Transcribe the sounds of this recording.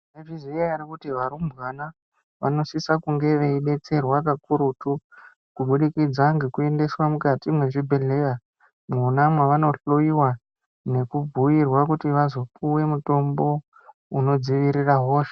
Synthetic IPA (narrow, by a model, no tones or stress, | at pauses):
eʐizijajarikutiʋaɾumbwana | ʋa̰no̞sisakuŋɡe̞ʋeiɓe̞t͡se̞rwakakuɾutu | kuɓuɗikid͡zaŋɡe̞kue̞nde̞swamukatimweʐibʱeɮeja | munamweʋano̞ɬojiwa | ne̞kub͡vʱujirwakutiʋazo̞puwe̞muto̞mbo̞ | uno̞d͡ziʋiɾiraɦoːʃe